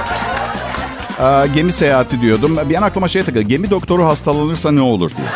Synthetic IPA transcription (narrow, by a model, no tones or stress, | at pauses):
ɛɟe̞mise̞jaːat̪ʰid̪ijo̞d̪umbijɛnaklˠamaʃejt̪akɯɟe̞mid̪o̞k̚t̪ʰo̞ɾuɦast̪ʰalˠanɯɾsanɛo̞lˠṵɾd̪ḭo̰